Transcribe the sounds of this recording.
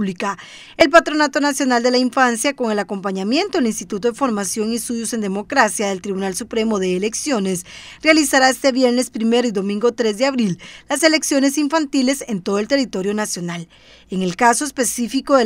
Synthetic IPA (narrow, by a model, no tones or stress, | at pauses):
lika | e̞lpat̪ɾo̞nat̪o̞nasjo̞nald̪e̞laiɱfansjako̞ŋe̞lako̞mpaɲamje̞nt̪oelinst̪it̪ut̪o̞ðefo̞ɾmasjo̞ŋist̪uðjo̞se̞nd̪e̞mo̞kɾasjaðe̞lt̪ɾiβunalsupɾe̞mo̞ðe̞ːleksjo̞ne̞srealisaɾae̞st̪eβje̞ɾne̞spɾime̞ɾoiðo̞mĩŋɡo̞t̪ɾe̞zd̪e̞aβɾillase̞le̞ksjo̞ne̞siɱfant̪ile̞se̞nt̪o̞ðoelt̪erit̪o̞ɾjo̞nasjo̞nal | eŋe̞lkaso̞espe̞sifiko̞ðe